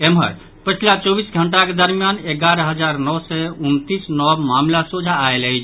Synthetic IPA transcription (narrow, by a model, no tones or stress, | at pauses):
emɦə̰ɾ | pət͡ʃʰlat͡ʃɔbisɡʱəɳʈaked̪əɾmijaneɡaɾəɦəd͡ʒaɾnɔwsɛunt̪isnɔbmamlasud͡ʒʱaːelət͡ʃʰ